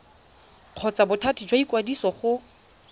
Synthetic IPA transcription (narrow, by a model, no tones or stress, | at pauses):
q͡χʰɔt͡sʼabʊtʰatʰid͡ʒwaikʼwadisɔχʊ